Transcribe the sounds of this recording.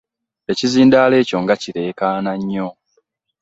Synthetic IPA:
e̞ciziːndaːle̞ːco̞ŋɡaciɾe̞ːkaːnaɲːo̞

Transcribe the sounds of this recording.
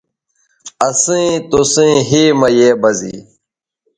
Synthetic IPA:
ɐsĩːt̪osẽːɦiːmɐjeːbɐzḭː

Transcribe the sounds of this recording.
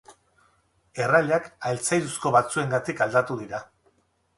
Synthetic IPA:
e̞raʎakaelt͡sajðusko̞βat͡sue̞ŋɡat̪ikald̪at̪uðiɾa

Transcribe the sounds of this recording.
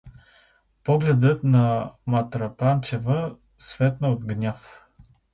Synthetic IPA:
pɔɡlɛd̪ət̪nɐmɐt̪ɾɐpant͡ʃɛvə | svɛt̪nəod̪ɡnʲaf

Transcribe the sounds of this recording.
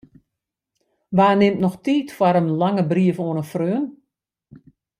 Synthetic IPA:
ʋaːnɪmtnɔxtiːtfwaɾəmlaŋəbriəfoənəfrøːn

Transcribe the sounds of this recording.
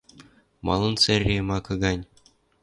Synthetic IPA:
mɑ̰lˠɤ̆nsɘrʲːemɑkɤ̆ɡɑnʲ

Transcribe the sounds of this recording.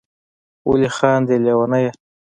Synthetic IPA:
wṵlixɑːnd̪elewanaja

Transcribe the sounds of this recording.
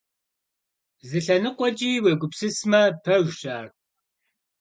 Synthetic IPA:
zɨɬɐnɨqʷɔd͡ʒʼiːweːɡʷʊpsɨsmɐpʰɐʒɕaːr

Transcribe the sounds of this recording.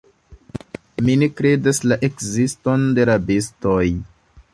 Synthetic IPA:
minekɾe̞daslaʔe̞kzisto̞nde̞ɾabistoj

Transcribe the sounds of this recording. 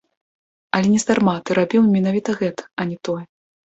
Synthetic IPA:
ɐlʲɛnʲɛsd̪armat̪ɨɾabʲiwmʲinavʲit̪ɐɣɛt̪ɐ̥ɐnʲɛt̪ɔjɛ

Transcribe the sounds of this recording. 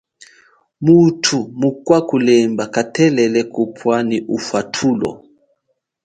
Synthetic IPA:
mutʰumukwakulɛmbakatɛlɛlɛkupʰwaniʔufwatʰulɔ̰

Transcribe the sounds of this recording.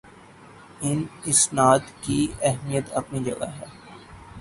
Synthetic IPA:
ɪnɪsnaːd̪kiɛɦmijət̪ɐpnid͡ʒɐ̰ɡa̰ɦɛː

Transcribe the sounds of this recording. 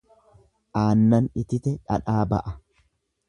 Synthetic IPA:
ʔaːnːɐnɪt̪ɪt̪ɛᶑɐ̰ᶑaːbɐ̰ʔɐ

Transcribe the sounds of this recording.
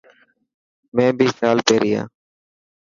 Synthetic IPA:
mɛ̃ːbʱiːsaːlpeːɾiːã̰ː

